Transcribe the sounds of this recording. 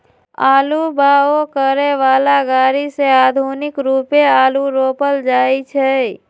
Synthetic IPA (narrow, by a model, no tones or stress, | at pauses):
a̰ːlubaokəɾeʋaːlaɡaːɾisead̪ʱunɪkɾupeaːluɾoːpəld͡ʒaːit͡ʃʰɛ